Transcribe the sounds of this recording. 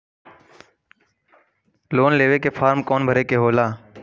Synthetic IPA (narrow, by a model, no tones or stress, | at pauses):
loːnleːʋeːkeːpʰaːɾmkoːnbʱəɾeːkeːɦoːlaː